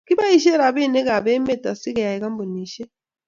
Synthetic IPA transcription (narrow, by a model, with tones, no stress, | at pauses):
ki˦βa˦i˦ʃɛ˦ɾa˨βi˦˨nɛ˦ka˨βɛ˦mɛ˦˨ta˨si˦kɛ˨ja˨i˨ka˦mbo˨niː˨ʃɛ˦